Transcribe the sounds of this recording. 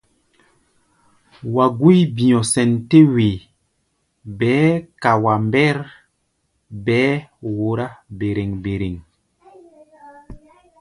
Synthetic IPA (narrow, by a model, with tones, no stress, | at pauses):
wa˨ɡu˦jbĩ˨jɔ̃˨sɛ˨nte˦we˨ | bɛː˨˦ka˨wa˨mbɛ˦ɾ | bɛː˦wo˨ɾa˦be˨ɾe˨ŋbe˨ɾe˨ŋ